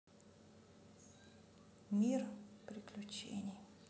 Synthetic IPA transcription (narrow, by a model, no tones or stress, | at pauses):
mʲirpɾʲɪklʲʊt͡ɕḛnʲɪj